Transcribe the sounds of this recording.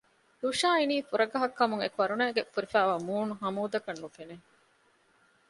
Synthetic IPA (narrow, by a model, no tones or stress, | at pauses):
luʃaːiniːfuɾɐɡɐɦɐkːɐmuŋḛkʋɐɾunæːɡefuɾifæːʋaːmuːnuɦɐmuːd̪ɐkɐnːufene